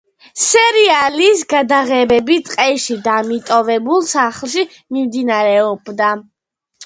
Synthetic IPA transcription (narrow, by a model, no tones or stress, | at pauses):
sɛɾialisɡad̪aʁɛbɛbit̪ʼqʼɛʃid̪amit̪ʼɔvɛbulˠsaχlˠʃ̬i | mimd̪inaɾɛɔbd̪a